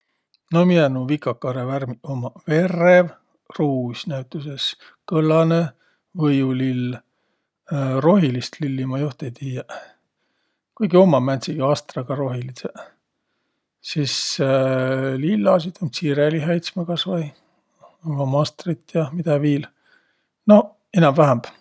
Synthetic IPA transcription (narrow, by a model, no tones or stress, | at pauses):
nominenuvikːˑɑkːɑɾeværmiomɑve̞rev | ruːsʲnæɥt̪ːˑuses | kɤlːɑne | vɤjulil | ro̞ɦilist̪lilːimɑjuht̪ejt̪ijɑ | kujɡio̞mːɑmænt̪siɡ̥iɑːst̪rɑɡ̥ɑɾo̞ɦilise | sis | lilːɑs̬it̪ɑmsiɾeliɦɑjt̪smɑkɑsvɑj | omɑmɑst̪rit̪ːjɑmid̪̥ɑviːl | no̞ | enɑmvæɦæmb̥